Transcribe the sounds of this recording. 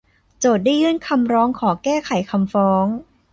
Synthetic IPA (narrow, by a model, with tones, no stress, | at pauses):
t͡ɕoː˨˩t̪̚daː˥˩jɯː˥˨nkʰa˧mɾɔː˦˥ŋkʰɔː˩˦kɛː˥˩kʰa˩˦jkʰa˧mfɔː˦˥ŋ